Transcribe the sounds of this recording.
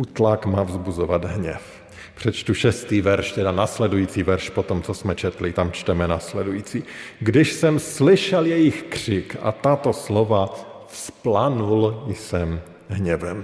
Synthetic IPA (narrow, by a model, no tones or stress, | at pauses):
ʔut̪lakmaːvzbuzovad̪ɦɲɛ̰f | pr̝̥ɛt͡ʃt̪uʃɛst̪iːvɛɾʃt̪ɛdanaːslɛdujiːt͡sivɛɾʃpot̪omt͡sosmɛt͡ʃɛt̪lɪt̪amt͡ʃt̪ɛmɛnaːslɛdujiːt͡siɡdɪʃsɛmslɪʃɛljɛjɪxkr̝̥ɪka̰t̪at̪o̞slovafsplanuljsɛm | ɦɲɛvɛm